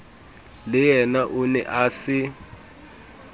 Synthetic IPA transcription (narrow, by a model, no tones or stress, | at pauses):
lɪjɛnaʔunɛ̰ʔaːsɪ